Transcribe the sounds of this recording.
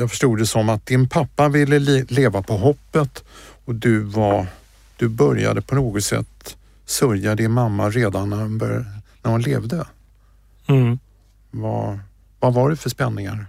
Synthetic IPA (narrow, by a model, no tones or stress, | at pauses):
jafœ̥ʂʈuːd̪ɛsɔmːat̪̚d̪ɪnpʰapːavɪlːəleːvapʰɔɦɔpːət̪ɔd̪ɵva | d̪̥ɵbœɾja̰d̪əpʰɔnoːɡɔt̪sɛ̰t̪ː | sœɾjad̪əɪnmamːaɾeːd̪anːæhʊnbœnæɾhʊnlḛːvd̪ə | va̰ | vavaɖɵfœʂpɛnːɪŋa̰ɾ